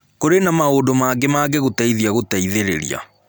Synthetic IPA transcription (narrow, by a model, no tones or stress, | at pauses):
koɾenamaoːdomaːɡemaːɡeɣotaiðiaɣotaiðeɾḛɾḭa̰